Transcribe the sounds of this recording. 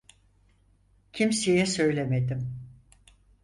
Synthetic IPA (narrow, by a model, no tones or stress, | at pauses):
cʰimsejɛsø̞jlʲemed̪im